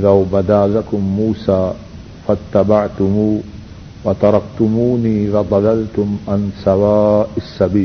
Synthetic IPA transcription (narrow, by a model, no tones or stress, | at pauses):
ʔɪðawbad̪aːlakʊmːuːsaː | fat̪ːabaʕt̪ʊmuː | wat̪ɑɾˤɑkt̪ʊmuːniːlad̪ˤɑlalt̪ʊmʕansawaːʔasːabiːl